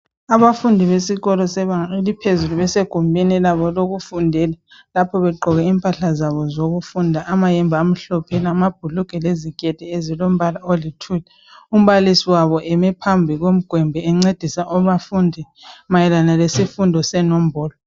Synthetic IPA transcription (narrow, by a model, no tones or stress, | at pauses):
aβafundʱiβesiɣɔlɔsɛβaŋaelipʰezuluβɛseɡ̥ʱumbʱinilaβɔloɣufundʱɛlɛlapʰɔβɛɡ͡ǃʱɔɣɛiːmpʼaɬazaβɔzoɣufundʱaʔamajɛmbʱaːm̩ɬɔpʰenamab̥ʱuluɡ̥ʱɛleziɡ̥ʱʼɛd̥ʱɛezilom̩βalaolitʰulɛ | um̩βalisiwaβɔʔɛmɛpʰambʱiɣom̩ɡ̥ʱwɛmbʱɛɛŋ͡ǀed̥ʱisaʔɔβafundʱi | majɛlanalesifundʱɔsɛnom̩bʱɔːlɔ